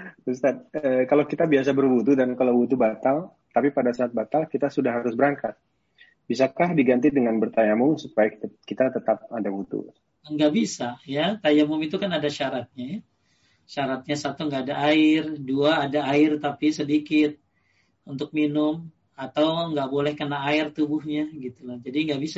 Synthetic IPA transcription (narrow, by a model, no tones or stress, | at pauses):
ust̪at̪̚əkalakit̪abias̬abərbut̪udankalawbut̪ubat̪al | t̪apipadasaːt̪̚bat̪alkit̪asudahɦaɾʊsbəɾaŋkat̪̚ | bis̬akahdiɡant̪̬idəŋanbərt̪ajamʊŋsupajakit̪at̪ət̪ap̚adabut̪ṵ | əŋɡaʔbisajat̪ajamʊmit̪ukanadaʃaɾat̪̚ɲaj | ʃaɾat̪̚ɲasat̪uŋɡaːdaʔaɪrduaːdaːɪrt̪apisədikɪt̪̚ | unt̪ʊk̚minʊm | at̪awŋɡaʔbolɛhkənaːɪrt̪ubʊhɲaɡit̪ulahd͡ʒadiŋɡaʔbisa